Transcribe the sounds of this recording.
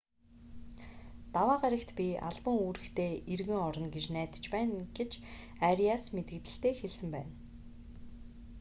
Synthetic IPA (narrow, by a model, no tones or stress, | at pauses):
t̪awaːɢaɾʲɪ̆kt̪pʲia̰ɮpə̆ŋuːɾɘ̆xt̪ʰeːirɣɘ̆ŋɔɾɞ̆nɡet͡ɕnæːt̪ə̥̆t͡ɕpæːnɡ̥et͡ɕ | aɾiasmet̪ɡɘ̆kt̪ɘ̆ɬt̪eːxeɮsɘ̆mpæ̰ːn